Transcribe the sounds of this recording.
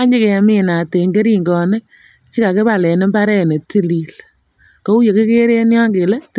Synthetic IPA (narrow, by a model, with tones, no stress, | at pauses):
a˦ɲd͡ʒɪ˦ke˨mɪ˦na˨te˨ŋɡe˦ɾi˦ŋɡɔ˨ne˦k̚ | t͡ʃi˦ka˨ke˦ba˨lɛ˨ne˦mba˦ɾɛ˦ne˨ti˦li˨l | ko˦u˦je˨ke˦ke˦ɾe˦njɔ˦ŋɡe˨lɛ˦t